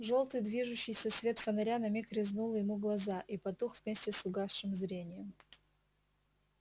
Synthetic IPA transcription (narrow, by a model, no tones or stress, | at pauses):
ʐo̞lˠt̪ɨjd̪vʲiʐʊɕːɪjsʲəsvʲe̞t̪fənɐɾʲanɐmʲikɾʲɪznulˠjɪmuɡlˠɐzaʔipɐt̪uxv̥ʲmʲesʲtʲɪsʊɡasʂɨmzɾʲenʲɪjəm